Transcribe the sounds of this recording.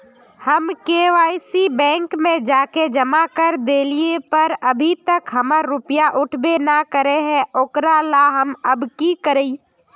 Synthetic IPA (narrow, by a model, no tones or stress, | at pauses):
həmkeːʋaːɪsibɛ̃ːŋkmẽd͡ʒaːked͡ʒəmakəɾd̪eːliepəɾəbʱit̪əkɦəməɾɾʊpjaʔʊʈʰbenakəɾeɦɛ̃ʔoːkɾalaɦəməbkikəɾei